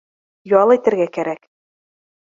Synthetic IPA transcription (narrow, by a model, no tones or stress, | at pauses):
jɒlˠæjt̪ɘ̆ɾɡækæɾæk